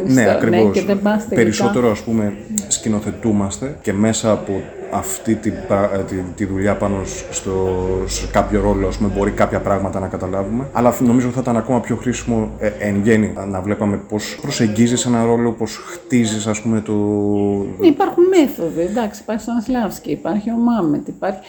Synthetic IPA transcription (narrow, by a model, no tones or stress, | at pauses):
ne̞ɐkɾivo̞seðebɐst̪epe̞ɾiso̞t̪e̞ɾoɐspume̞scino̞θe̞t̪umɐst̪e̞ce̞me̞sɐːpo̞ | ɐft̪it̪ibɐt̪it̪iðuʎɐpɐno̞st̪oskɐpço̞ɾo̞lo̞ɐspume̞bo̞ɾikɐpçɐpɾɐɣmɐt̪ɐnɐkɐt̪ɐlɐvume̞ɐlɐno̞mizot̪iθit̪ɐnɐko̞mɐpço̞xɾisimo̞eŋʝe̞ninɐvle̞pɐme̞po̞spɾo̞se̞ɲɟizisenɐɾo̞lo̞po̞sxt̪izisɐspume̞t̪o | neipɐɾxunmeθoðid̪ɐksii̥pɐɾçisɐnslɐvsciːpɐɾçio̞mɐmet̪ipɐɾçi̥